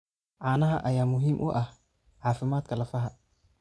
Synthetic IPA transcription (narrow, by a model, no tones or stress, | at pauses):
ʕaːnɐɦɐʔɐjaːmʊɦiːmʔʊ̰ʔɐh | ʕaːfɪmaːd̪kʰɐlɐfɐɦɐ